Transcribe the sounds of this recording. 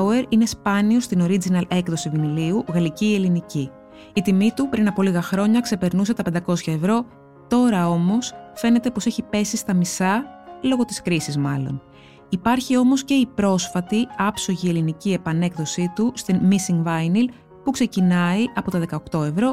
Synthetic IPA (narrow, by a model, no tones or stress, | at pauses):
eɾine̞spɐnio̞st̪ino̞ɾid͡zinɐle̞kðo̞siviniliuɣɐliciːe̞linici | it̪imit̪upɾinɐpo̞liɣɐxɾo̞ɲɐkse̞pe̞ɾnusɐt̪ɐpe̞nd̪ɐko̞sçɐevɾo̞ | t̪o̞ɾɐo̞mo̞sfe̞ne̞t̪e̞po̞se̞çipe̞sist̪ɐmisɐlo̞ɣo̞t̪i̥skɾisizmɐlo̞̰n | ipɐɾçio̞mo̞sce̞ipɾo̞sfɐt̪iɐpso̞ʝie̞linicie̞pɐne̞kðo̞sit̪ust̪inmisiŋɡvɐjnil | pukse̞cinɐiʔɐpo̞t̪ɐðe̞kɐo̞kt̪o̞e̞vɾo̞